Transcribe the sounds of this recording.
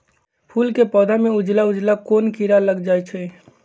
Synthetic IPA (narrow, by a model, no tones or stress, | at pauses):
pʰulkepɔːd̪ʱameud͡ʒlaud͡ʒlakonkiɾaləɡd͡ʒajt͡ʃʰəj